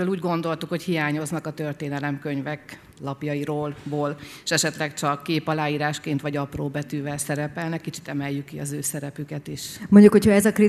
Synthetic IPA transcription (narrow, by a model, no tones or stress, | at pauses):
øːluːɟɡo̞n̪d̪o̞lt̪ukhochijaːɲo̞znɒkɒt̪ø̞rt̪eːnɛlɛmkøɲvɛk | lɒpjɒjiɾoːlboːl | ʃɛʃɛt̪lɛkt͡ʃɒkːeːpɒlaːjiːɾaːʃkeːnt̪ʋɒɟɒproːbɛt̪yːvɛlsɛɾɛpɛlnɛkːit͡ʃi̥t̪ɛmɛjːykːiɒzøːsɛɾɛpykɛt̪iʃmoɲɟukhochɒɛzɒkri